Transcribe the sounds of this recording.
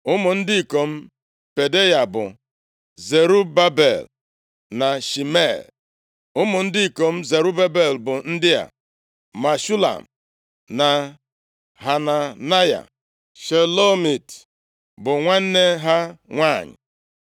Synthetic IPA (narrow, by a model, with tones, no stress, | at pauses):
ʊ˦mʊ˨n̩˦dɪ˦i˨ko˨m̩˦ | pe˨de˦ja˨bʊ̰˨ | ze˨ɾu˦ba˦be˨l | na˨ʃi˨me˦˨l | ʊ˦mʊ˨n̩˦dɪ˦i˨ko˨m̩˦ze˨ɾu˦ba˦be˨lbʊ˨n̩˦dɪ˦ja̰˨ | ma˨ʃu˦la̰˨m̩˨ | na˨ | ɦa˨na˨na˦ja̰˨ | ʃe˨lo˦mi˨t | bʊ˨ŋʷa˦n̩˦ne˦ɦa˦ŋʷa˦˨ɲɪ̰˨